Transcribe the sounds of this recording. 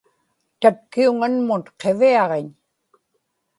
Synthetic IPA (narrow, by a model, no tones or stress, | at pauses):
t̪at̪̚kiuŋanmʊnqe̞viɑʁeɲ